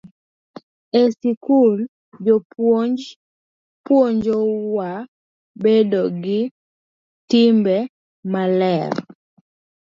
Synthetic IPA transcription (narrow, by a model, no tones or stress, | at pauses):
ɛsikul | d͡ʒɔp | pwoɲd͡ʒɔwa | bedoɡɪ | timbɛ | malɛɾ